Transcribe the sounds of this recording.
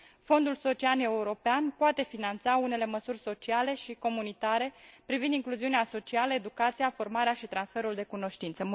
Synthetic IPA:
fo̞nd̪ulso̞t͡ʃiane̞uɾo̞peanpoat̪e̞finant̪saune̞le̞məsurʲso̞t͡ʃiale̞ʃiko̞munit̪aɾe̞pɾivind̪iŋkluziuneaso̞t͡ʃialəe̞d̪ukat̪sijafo̞rmaɾeaʃit̪ɾansfe̞ɾuld̪e̞kuno̞ʃt̪int̪sə

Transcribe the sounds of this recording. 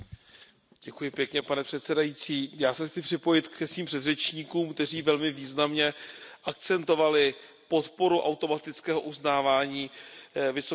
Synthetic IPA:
ɟ̥ɛkujɪpjɛkɲɛpanɛpr̥ɛt̪sɛdajit͡siːjaːsɛxt͡sɪpr̝̥ɪpo̞jɪt̪kɛsviːmpr̝̥ɛd̪rɛt͡ʃɲiːkuːmk̚t̪ɛr̝iːvɛlmɪviːznamɲɛʔak̪̚t͡sɛnt̪o̞valɪ | po̞t̪po̞ɾuʔa̰wt̪o̞mat̪ɪt͡skɛːɦo̞ʔuznaːvaːɲiːvɪso

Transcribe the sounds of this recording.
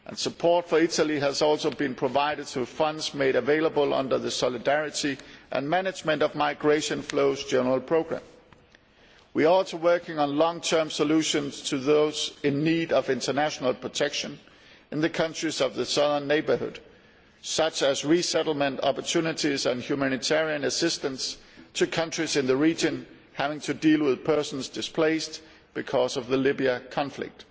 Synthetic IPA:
ʔə̰̃nsəpʰɔɹtfə˞ɪɾəl̩ˠiæzɔlˠsoʊbĩnpʰɹ̥əvaɪɾɨd̚tʰəfʌ̃ndzmeɪɾɨveɪlˠəbəlˠʌ̰̃ndə˞ðəsɑlɨdæɹɨɾiʔɨ̰̃nmænɨd͡ʒmɨ̃ntʌvmaɪɡɹeɪʃɨ̃nfloʊzd͡ʒɛnə˞əl̩ˠpʰɹ̥oʊɡɹæ̰̃m | wiəɔlˠsəwɜ˞kɪ̃ŋə̃nlɔ̃ŋtʰɜ̃˞msəluʃə̃nz̥tʰɨðoʊz̥ɪ̃nːiːɾʌvɪ̃ntʰə˞næʃənəl̩ˠpʰɹ̥ətʰɛkʃə̃n | ɨ̃nðɨkʰʌ̃nt͡ʃɹ̥izʌvðɨsʌðə˞nːeɪbə˞hʊ̰d̥ | sʌt͡ʃɨzɹisɛɾl̩ˠmə̃ntɑ̰pə˞tʰʉnɨɾizə̃nhjʉmæñɨtʰɛɹiɨ̃nɨsɪstə̃nstʰɨkʰʌ̃nt͡ʃɹ̥izɨ̃nðɨɹid͡ʒɨ̃n | hævɪ̃ŋtʰɨdilˠwɪð̥pʰɜ˞sn̩zdɨspʰleɪst | b̥ɨkʰɔzʌvðəlɪbiəkʰɑ̃ɱflɪ̰k̚t̚

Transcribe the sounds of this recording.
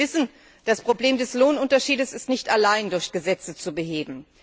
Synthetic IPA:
ɪsn̩ | d̥aspʁ̥obleːmdɛsloːnʊntɐʃiːdəsɪstnɪçtalaɪndʊɐçɡ̥əzɛt͡sət͡subəɦeːbm̩

